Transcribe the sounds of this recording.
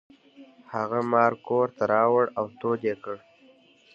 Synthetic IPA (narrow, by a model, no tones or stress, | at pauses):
haɣamɑːɾkoɾt̪aɾɑwəɽawt̪od̪ekəɽ